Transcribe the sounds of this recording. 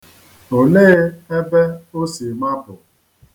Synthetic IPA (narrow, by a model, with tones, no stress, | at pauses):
o˨neː˦e˦be˦o˦si˨ma˦pʊ˨